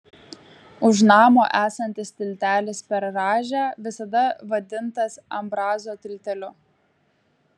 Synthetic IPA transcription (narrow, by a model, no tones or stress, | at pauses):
ʊʃ̬nɑːmo̰ːʔæːsɐnʲt̪ʲɪst̪ʲɪlʲt̪ʲæːlʲɪspʲɛɾːɑːʒʲæːʋʲɪsɐd̪ɐʋɐd̪ʲɪnt̪ɐsɐmbɾɑːzoːt̪ʲɾʲɪlʲt̪ʲɛlʲʊ